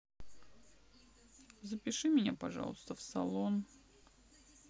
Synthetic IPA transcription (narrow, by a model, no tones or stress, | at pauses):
zəpʲɪʂɨmʲɪnʲa̰pɐʐɑ̰lˠəst̪əfsɐ̰lˠon